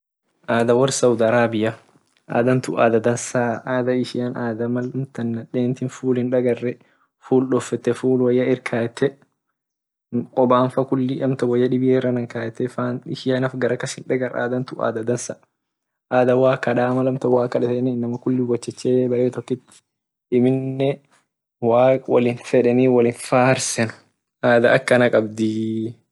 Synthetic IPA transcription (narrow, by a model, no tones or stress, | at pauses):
ʔaːd̪ɐwɐɾsɐwd̪aɐɾaːbɪjɐ | ʔa̰ːd̪ɐnt̪ʊ̰ʔaːd̪ɐd̪ɐnsaːaːd̪ɐɪʃɪjɐnaːd̪ɐmɐlɐmt̪ɐnːɐᶑeːnt̪ɪnfuːlhɪnᶑɐɡɐrːɛ | fuːlɗɔfːɛt̪ːɛfuːlwɐjːɐɪɾkʰaːjɛt̪ːɛ | kʼɔbaːnfɐkʊlːɪʔɐmt̪ɐwɐjːɐᶑɪbɪjeːrːɐnɐŋkaːjɛt̪ːɛfaːnɪʃɪjanɐfɡɐɾɐkːɐshɪnᶑɐɡɐɾa̰ːd̪ɐnt̪ʊʔa̰ːd̪ɐd̪ɐnsɐ | ʔaːd̪ɐwaːkːɐᶑaːmɐlɐmt̪ɐwaːkːɐᶑɛtɛninːɐmɐkʊlːɪwɐt͡ʃːɛt͡ʃːeːbɐʔeːt̪ɔkːɪt̪ːɪ̥ | ʔɪmɪnːɛ | waːkwɐ̰lɪnfɛᶑɛniːwɐlɪnfaːhɐɾsɛnʊ̥ | ʔaːd̪ɐʔɐkːɐnɐkʼɐbd̪i